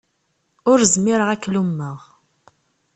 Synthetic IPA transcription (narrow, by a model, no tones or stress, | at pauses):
ʊɾzmɪɾəʁækːlumːəʁ